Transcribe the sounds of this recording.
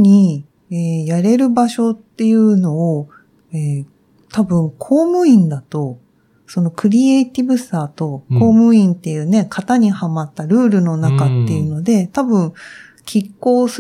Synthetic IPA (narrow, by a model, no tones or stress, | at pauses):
ɲ̟i | eːjaɾe̞ɾɯ̟baɕo̞t̪ːe̞jɯ̟ːno̞ː | eː | t̪abɯ̟̃ŋkʰo̞ːmɯ̟ĩnd̪at̪o̞ | so̞no̞kɯ̟ɾʲieit̪ʲibɯ̟saːt̪o̞ko̞ːmɯ̟ĩnt̪e̞jɯ̟ːne̞kʰat̪aɲ̟ihamat̪ːaɾɯ̟ːɾɯ̟no̞nakat̪ːe̞jɯ̟no̞d̪e̞t̪abɯ̟̃ŋ | kʲʰikːo̞ːs